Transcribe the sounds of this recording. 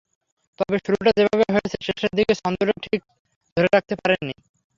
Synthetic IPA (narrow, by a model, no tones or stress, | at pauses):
t̪ɔbeʃuɾuʈad͡ʑebʱabeɦojet͡ɕʰeʃeʃeɾd̪ikeʃɔnd̪oɾeʈʰik̚ | d̪ʱoɾeɾak̚t̪epaɾenːi